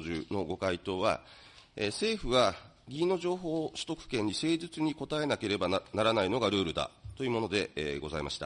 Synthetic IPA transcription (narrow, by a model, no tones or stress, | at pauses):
ʑɨno̞ɡo̞kait̪o̞ːβa̰ | ese̞ːɸɯ̟ɡa | ɡʲiːno̞ʑo̞ːɦo̞ːɕi̥t̪o̞kɯ̟̥kẽ̞ɲ̟ːise̞ːzɨt͡sɨɲ̟iko̞t̪ae̞nake̞ɾe̞banaɾanaino̞ɡaɾɯ̟ːɾɯ̟d̪a̰t̪o̞jiɯ̟ːmo̞no̞d̪e̞eːɡo̞zaḭmaɕi̥t̪a